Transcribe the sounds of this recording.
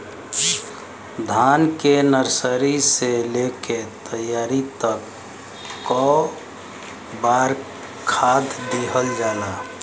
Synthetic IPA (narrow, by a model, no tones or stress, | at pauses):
d̪ʱankenəɾsəɾiseleket̪əjaɾit̪əkː | ɔ | baɾ | kʰad̪d̪eɦəld͡ʒala